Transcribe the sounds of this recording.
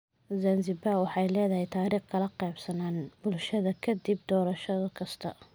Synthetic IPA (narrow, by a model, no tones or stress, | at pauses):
zɐnzɪbaːwɑħɑjlɛːðɐɦɛjt̪ʰaːɾiːχkʰɐlɐqɛjbsɐnaːnbʊlʃɐðɐkʰɐd̪ib̚d̪ɔːɾɐʃɐðɔkʰɐst̪ʰɐ̰